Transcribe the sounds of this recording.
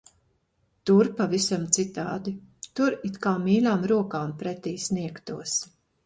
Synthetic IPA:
t̪uɾpavisamt̪sit̪a̰ːd̪it̪uɾit̪kaːmiːlʲaːmɾuɔkaːnpɾɛt̪iːsniɛkt̪uɔs

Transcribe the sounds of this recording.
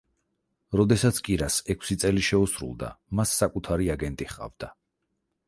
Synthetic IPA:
ɾɔd̪ɛsat̪sʰkʼiɾasɛkʰsit̪sʼɛliʃɛusɾṵlˠd̪a̰masːakʼut̪ʰaɾiaɡɛnt̪ʼiχqʼa̰vd̪̥a

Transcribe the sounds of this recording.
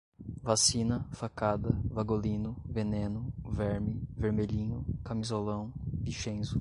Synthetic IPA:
vasĩnɐfakad̪ɐvaɡolĩnʊvenẽnʊvɛɾmɪveɾmeʎĩɲʊkamizolɐ̃w̃biʃẽzʊ

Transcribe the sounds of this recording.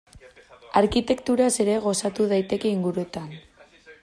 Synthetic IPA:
aɾkit̪e̞kt̪uɾase̞ɾe̞ɣo̞sat̪uðajt̪e̞ke̞iŋɡuɾuet̪an

